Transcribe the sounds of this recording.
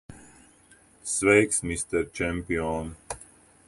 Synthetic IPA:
sʋejksmist̪ɛɾt͡ʃɛmpion

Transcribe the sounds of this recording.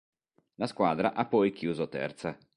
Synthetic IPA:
laskwaːd̪ɾaʔapːɔjk̟juːzot̪ɛ̰rt̪sa

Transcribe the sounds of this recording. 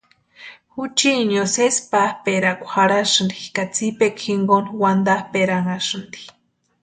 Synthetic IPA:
hut͡ʃiɲjosespahpeɾakʷxaɾaʂɨnd̪ikat͡sipekʰxiŋɡonwand̪ahpeɾaŋaʂɨnd̪i̥

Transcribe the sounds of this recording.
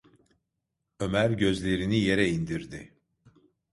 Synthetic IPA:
ø̞mæɾɟø̞zlʲe̞ɾinije̞ɾɛind̪iɾd̪ɪ

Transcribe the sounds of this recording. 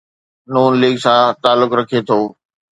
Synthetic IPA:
nuːnliːɡsãːt̪aːlːʊkɾɐkʰet̪ʰoː

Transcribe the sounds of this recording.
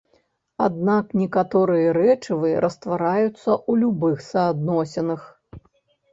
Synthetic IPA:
ad̪naknʲɛkat̪ɔɾɨjɐɾɛt͡ʂɨvɨɾʔɐst̪vaɾajut̪sːɐʔulʲubɨxsɐːd̪nɔsʲɛnɨx

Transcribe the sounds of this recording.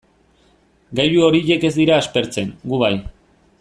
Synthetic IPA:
ɡajuo̞ɾiʎe̞ke̞zd̪iɾaːspe̞ɾt͡se̞ŋɡuβaj

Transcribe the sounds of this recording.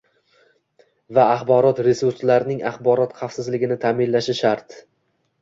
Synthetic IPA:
vaːχbɒɾɒt̪ɾe̞suɾslaɾɪnɪŋaχbɒɾɒt̪χɑfsɪzlɪɡʲɪnɪt̪ʰaːmɪnlaʃɪʃaɾt̪

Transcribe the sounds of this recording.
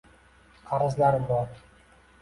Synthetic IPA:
qʰɑɾɨzlaɾɪbɒɾ

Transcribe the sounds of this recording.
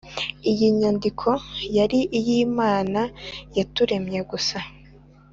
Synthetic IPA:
ijiɲandikʰo̞jaɾiʔijiːmaːnajatuɾe̞mɲe̞ɡusa

